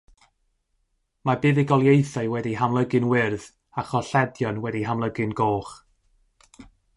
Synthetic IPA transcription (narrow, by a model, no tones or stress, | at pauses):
mabɨːðiɡɔlˠjejθaɨwɛdiɦamlˠəɡɨnwɪrð | aχɔɬɛdjɔnwɛdiɦamlˠəɡɨnɡoːχ